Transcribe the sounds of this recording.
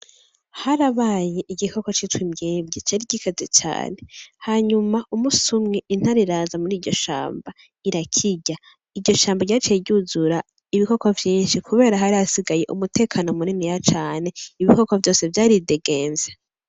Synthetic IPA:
haɾaβajeʔiɟiko̞ko̞t͡ʃitwimɟeːbɟet͡ʃaːɾiɟikʰazet͡ʃa̰ːne̞haːɲumaʔumusumŋeʔin̥haɾiɾaːzamuɾiːɾɟo̞ʃa̰ːmba | iɾakʰiɟa | iɾɟo̞ʃaːmbaɟaːɾit͡ʃijebɟuzuɾa | iβiko̞kovjiːnʃikʰuβe̞ːɾaɦaɾiasiɡaje̞ʔṵmute̞ːkʰano̞muninijat͡ʃaːne̞iβiko̞kovjo̞ːse̞vjaːɾideɡe̞ːnze

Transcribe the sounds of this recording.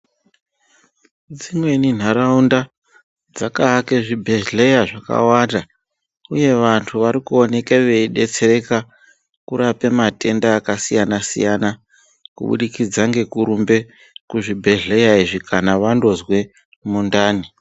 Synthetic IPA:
d͡zimwe̞nin̤aɾaunda | d͡zakaːkeʐibʱe̞ɮɮe̞jaʐaka̰wanda | uje̞ʋantʰuʋaɾikuo̞ne̞keʋe̞iɗe̞t͡se̞ɾe̞ka | kuɾape̞mate̞ndaːkasijanasḭjana | kṵɓṵɗikid͡zaŋɡe̞kuɾumbe̞ | kuʐibʱe̞ɮe̞jaiʐikʰanaʋando̞zwe̞ | mundaːni

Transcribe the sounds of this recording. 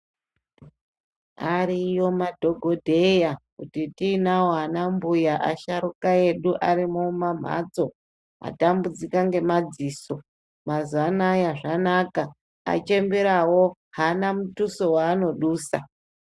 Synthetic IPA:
aɾijo̞madʱo̞ɡʱo̞dʱe̞jakutitinawoɦanambujaʔa̰ʃaɾukae̞ɗuʔaɾimomam̤a̰t͡so̞ | a̰tambud͡zikaŋɡe̞mad͡ziːso̞ | mazanajaʐanaka | a̰t͡ʃe̞mbiɾawo̞ | ɦanamutuso̞waːno̞ɗuːsa̰

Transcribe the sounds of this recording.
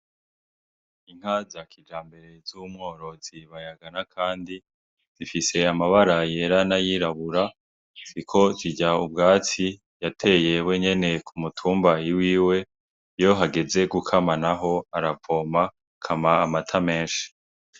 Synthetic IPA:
iŋ̥hazakʰid͡ʒaːmbe̞ɾe̞z̥umŋo̞ːɾo̞ziβajaɡanakʰaːndi | z̥ifise̞amaβaɾaje̞ɾanajiːɾaβuɾa | sikʰo̞ziɟaub̚ɡaːt͡si | jatʰe̞je̞we̞ɲe̞ne̞kʰumutʰuːmbajiwiːwe̞ | jo̞ɦaɡe̞ze̞ɡukʰamanaɦo̞aɾapo̞ːma | kʰamaːmatʰame̞ːʃi̥

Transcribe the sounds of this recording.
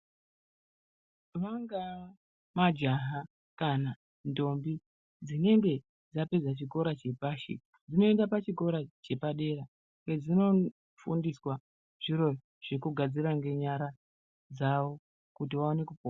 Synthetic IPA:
ʋaŋɡa | mad͡ʒaɦa | kana | ndo̞mbi | d͡zine̞ŋɡe̞ | d͡zape̞d͡zat͡ʃiko̞ɾat͡ʃe̞paːʃḭ | d͡zino̞endapat͡ʃiko̞ɾat͡ʃe̞paɗe̞ra | ŋɡe̞d͡zino̞ | fṵndiswa | ʐ̥iɾo̞ | ʐ̥ekuɡʱad͡ziraŋɡe̞ɲaɾa | d͡zawo̞ | kut̬iʋaone̞kupo

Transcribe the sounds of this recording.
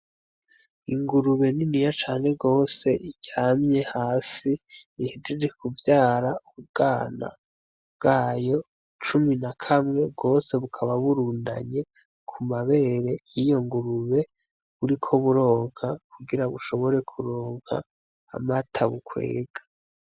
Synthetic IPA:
iŋɡuɾuβe̞ninijat͡ʃaːne̞ɡo̞ːse̞ʔiɟ̥aːmɲe̞haːsiihediɾekʰuvjaːɾauβubɡ̥aːna̰ | bɡ̥aːjo̞ | t͡ʃuminakʰamŋe̞b̚ɡo̞ːse̞βukʰaβaβuɾuːnda̰ɲe̞ | kʰumaβe̞ːɾe̞ijo̞ŋɡuɾuβe̞ | βuɾikʰo̞βuɾo̞ːŋ̥hakʰuɡiɾaβuʃo̞βo̞ɾe̞kʰuɾoːŋ̥ha̰ː | matʰaβukʰwḛːɡ̥ḁ

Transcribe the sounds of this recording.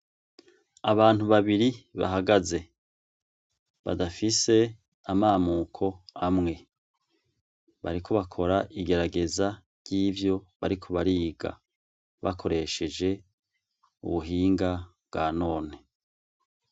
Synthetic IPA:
aβaːn̥uβaβiɾiβa̰ɦaɡaze̞ | βa̰dafise̞ | amaːmukʰo̞amŋe̞ | βa̰ɾikʰo̞βakʰo̞ɾaʔiɡe̞ɾaɡe̞za | ɾɟiːvjo̞βaɾikʰo̞βaɾiːɡa̰ | βa̰kʰo̞ɾe̞ʃe̞d͡ʒe̞ | ṵβuɦiːŋɡabɡaːno̞ːne̞

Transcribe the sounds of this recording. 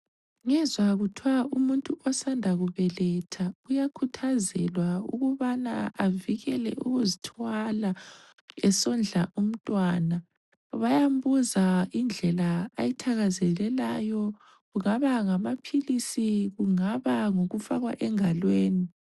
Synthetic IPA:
ŋɛzwaɣutʰiwaumuntʼuʔɔsandʱaɣuβɛlɛtʰaujakʰutʰazɛlwaṵɣuβana̰aviɣɛlɛ̰ʔuɣuzitʰwala | ɛsɔnd͡ɮʱaʔum̩tʼwaːna | βajambuzaind͡ɮʱɛlaajitʰaɣazɛlɛlajɔ | ɣuŋaβaŋamapʰilisiɣuŋaβaŋoɣufaɣwaʔɛŋalweːni

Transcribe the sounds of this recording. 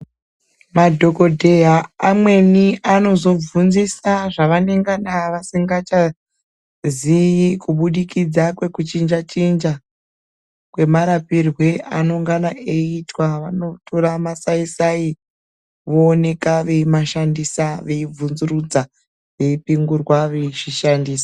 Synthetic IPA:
madʱo̞ko̞dʱe̞jaːmwe̞niano̞zo̞b͡vunzisaʐaʋane̞ŋɡanaʋasiŋɡat͡ʃa | zijikuɓuɗikid͡zakwe̞kut͡ʃind͡ʒat͡ʃind͡ʒa | kwe̞maɾapirwe̞ano̞ŋɡanaʔe̞itwaʋano̞tʰo̞ɾamasaisai | ʋoːne̞kaʋe̞imaʃandisaʋe̞ib͡vunzurud͡za | ʋe̞ipiŋɡurwaʋeiʐiʃandiːsḁ

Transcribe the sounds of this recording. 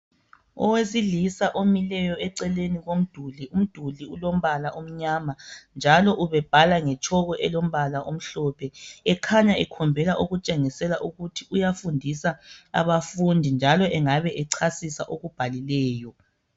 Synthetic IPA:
ɔ̰wezilisaʔomilɛjɔɛǀɛleniɣom̩d̥ʱulium̩d̥ʱuliulom̩βalaʔom̩ɲaːmand͡ʒʱalɔʔuβɛb̥ʱalaŋɛt͡ʃʼʰɔɣɔʔɛlom̩βalaʔom̩ɬɔpʰɛɛkʰaɲaɛkʰɔmbʱɛlaʔuɣut͡ʃʼeŋisɛlaʔuɣutʰiʔujafundʱisaa̰βafundʱind͡ʒʱalɔʔɛŋaβɛʔɛǀʰasisa̰ʔoɣub̥ʱalilɛːjɔ

